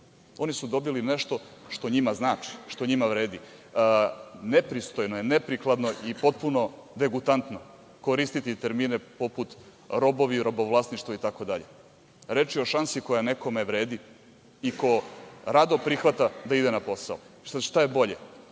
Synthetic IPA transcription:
o̞nisud̪o̞biline̞ʃt̪o̞ʃt̪o̞ɲimaznaːt͡ʃi̥ʃt̪oɲimaʋɾe̞ːd̪i | nepɾist̪ojnojenepɾiklˠad̪no̞ʔipo̞t̪̚puno̞d̪e̞ɡut̪ant̪no̞ | ko̞ɾist̪it̪it̪eɾmiːnepo̞put̪ | ɾo̞bo̞ʋiɾo̞boʋlˠasniʃt̪ʋoit̪akod̪aʎe | ɾet͡ʃioʃansiko̞jane̞ko̞meʋɾeːd̪iː | ko̞ɾad̪o̞pɾixʋat̪ad̪aid̪enapo̞sa̰o | ʃt̪ajebo̞ʎe

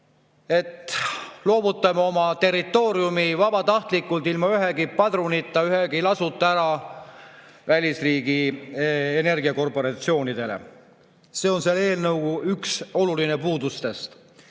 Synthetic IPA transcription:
e̞t̪ːˑlo̞ːbut̪ːˑɑmɑo̞mɑt̪e̞rit̪ːˑo̞ːɾjumivɑbɑt̪ɑht̪likːˑult̪ilmɑyɦe̞kipɑd̪̥runit̪ːˑɑyɦekilɑsut̪ːˑɑæɾɑ | vælʲisriːɡi | ene̞rɡiɑko̞rpo̞ɾɑt̪sio̞ːnid̪̥e̞lḛ | se̞o̞nsele̞ːlnɤwɡuʔykso̞luline̞puːd̪ust̪e̞st̪

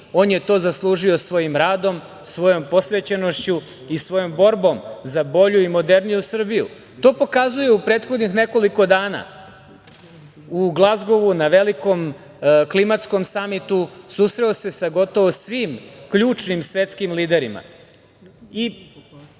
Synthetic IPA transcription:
o̞ːnje̞t̪o̞ːzaslˠuːʒio̞sʋo̞jimɾaːd̪o̞m | sʋo̞jo̞mpo̞sʋet͡ɕeno̞ʃt͡ɕu | isʋo̞jo̞mbo̞ɾbo̞mzabo̞ʎuimo̞d̪e̞ɾnijusr̩bijṵ | t̪o̞ːpo̞kazuje̞upɾe̞ːt̪xod̪nixne̞ko̞liko̞d̪aːna̰ː | uɡlˠazɡo̞ʋunaʋe̞liko̞m | klimat̪sko̞msamit̪usuːsɾeose̞saɡo̞t̪o̞ʋosʋiːmkʎuːt͡ʃnimsʋe̞t̪skimliːd̪eɾima̰ | i

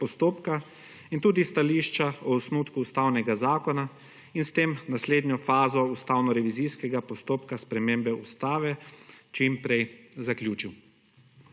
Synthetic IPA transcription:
pɔst̪oːpka | int̪uːd̪ist̪aliːʃt͡ʃaɔɔsnut̪kuːst̪awnɛɡazaːkɔna | inst̪eːmnasleːd̪nʲjɔfaːzɔust̪awnɔɾɛʋiziskɛɡapɔst̪oːpkaspɾɛmeːmbɛust̪aːʋɛt͡ʃimpɾɛjzakljuːt͡ʃiw

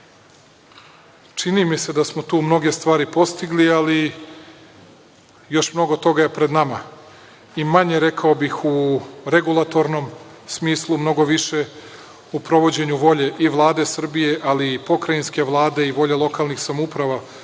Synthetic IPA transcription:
t͡ʂinimise̞d̪asmo̞t̪uːmno̞ɡe̞st̪ʋaːɾipo̞st̪iɡliali | jo̞ʃmno̞ɡo̞t̪o̞ɡaje̞pɾe̞d̪nama | imaɲe̞ɾe̞kʰaobixuɾe̞ɡulˠat̪o̞ɾno̞msmiːslˠumno̞ɡo̞ʋiʃe̞ | upɾo̞ʋo̞d͡ʑe̞ɲuʋo̞ʎe̞ʔiʋlˠaːd̪e̞sr̩bije̞ʔalipo̞kɾajinske̞ʋlˠaːd̪e̞iʋo̞ʎe̞lˠo̞kaːlˠnixsamupɾaʋa

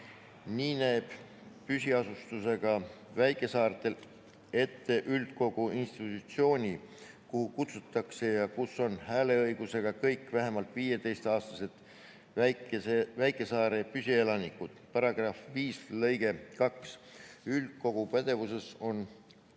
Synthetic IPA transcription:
niːnæːb̥ | pysʲiɑsust̪use̞ɡ̥ɑ | væjkːˑe̞sɑːɾt̪el | e̞t̪ːe̞ʔyld̪̥̚ko̞ɡ̥uinst̪it̪ːˑut̪sio̞ːnʲi | kuhukut̪sut̪ˑːɑkse̞jɑkusːo̞nhæːle̞ɤjɡ̥use̞ɡ̥ɑkɤjkːˑvæɦe̞mɑlt̪viːje̞t̪e̞jst̪ɑːst̪ɑse̞t̪ | æesevæjkːˑe̞sɑːɾe̞pysʲielɑnikːˑud̪̥pɑɾɑɡ̥rɑfviːslɤ̞jɡ̥e̞kɑksyld̪̥̚ko̞ɡ̥upæd̪̥e̞vuse̞so̞n

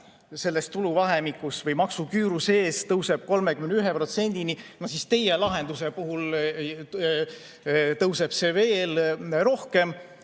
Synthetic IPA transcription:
se̞lːest̪t̪uluvɑɦemikːˑusvɤjmɑksukyːɾuse̞ːst̪ɤwse̞b̥̚ko̞lmekymenyɦepro̞t̪se̞nʲd̪̥ininɑsist̪e̞jelɑɦe̞nd̪use̞puɦul | t̪ɤwse̞b̥se̞ve̞ːlɾo̞hke̞m

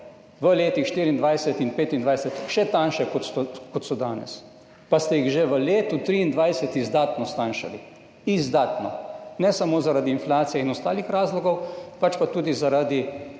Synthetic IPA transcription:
ʋəleːt̪ixʃt̪iːɾind̪ʋajsɛt̪inpeːt̪ind̪ʋajsɛt̪ʃɛt̪anʃɛkɔt̪sɔkɔt̪sɔd̪aːnɛ̰s | past̪ɛjiɣʒeʋəleːt̪ut̪ɾiːnd̪ʋajsɛt̪izd̪aːt̪nɔst̪aːnʃa̰li | izd̪aːt̪nɔnɛsamoːzaɾad̪iːnflaːt̪sijɛinɔst̪aːlixɾaːzlɔɡɔwpat͡ʃpat̪uːd̪izaɾad̪i

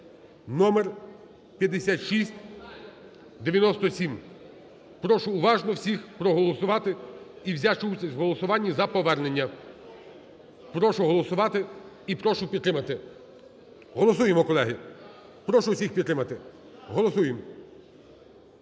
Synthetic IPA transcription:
nɔmer | pʲjɐd̪ːesʲat̪ʃisʲtʲ | d̪eʋʲjɐnɔst̪ɔsʲim | pɾɔʃʊːʋɑʒnɔwsʲixpɾɔɦɔlˠɔsʊʋɑt̪ɪiwzʲaʃt͡ʃusʲɐsʲwɦɔlˠɔsʊʋɑnʲːizɐpɔʋɛrne̞nʲːɐ | pɾɔʃʊɦɔlˠɔsʊʋɑt̪ɪ | ipɾɔʃʊpʲid̪t̪ːɾɪmɐt̪ɪ | ɦɔlˠɔs̬ujemɔkɔlˠɛɦɪ | pɾɔʃʊwsʲixpʲid̪t̪ːɾɪmɐt̪ɪ | ɦɔlˠɔsujem

